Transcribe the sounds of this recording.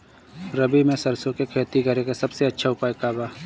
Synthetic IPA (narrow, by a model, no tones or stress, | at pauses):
ɾɐbimẽsɐɾsõkekʰeːt̪iɡʱɐɾekesɐbseɐtːʃʰaʊpaːjkaːbaː